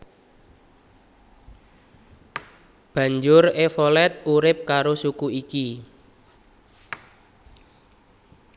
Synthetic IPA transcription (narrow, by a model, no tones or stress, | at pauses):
b̥ä̤ɲd͡ʒʊrefolɛt̪̚uɾɪp̚kaɾosukuiki